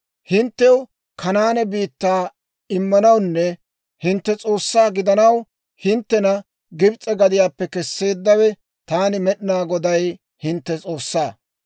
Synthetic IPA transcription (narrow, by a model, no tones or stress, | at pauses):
hɪnt̪ːɛw | kʰɐnaːnɛbiːt̪ːaː | ɪmːɐnɐwnːɛ | hɪnt̪ːɛt͡sʼo̞ːsːaːɡɪd̪ɐnɐw | hɪnt̪ːɛnɐ | ɡɪbt͡sʼːɛɡɐd̪ɪjaːpːɛkɛsːe̞ːd̪ːɐwɛ | t̪aːnɪmɛɗɪnaːɡɔd̪ɐj | hɪnt̪ːɛt͡sʼo̞ːsːaː